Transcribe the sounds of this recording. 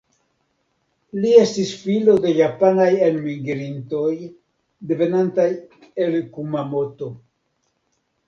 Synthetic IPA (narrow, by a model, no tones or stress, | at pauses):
lie̞stisfilo̞de̞japanajenmiŋɡeɾinto̞j | d̪e̞ve̞nantaj | e̞lkumamo̞to̞